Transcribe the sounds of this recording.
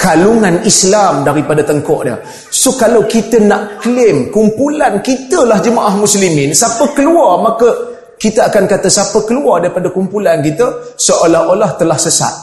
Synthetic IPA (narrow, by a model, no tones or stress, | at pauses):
kaluŋanislamdaɾipadat̪əŋkɔʔdə̰ | sokalawkit̪ənaʔklɪmkumpulankit̪əlahd͡ʒəmaʔahmuslimɪnsapəkəluarmakə | kit̪əakankat̪əsapəkəluardaɾipadakumpulankit̪əsəʔolahʔolaht̪əlahsəsa̰t̪̚